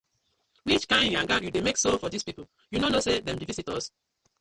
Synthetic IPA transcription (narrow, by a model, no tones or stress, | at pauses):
wit͡ʃkãɪ̃ndjãŋɡajudemeksofɔdispipo | junonosedɛ̃mdivisitɔs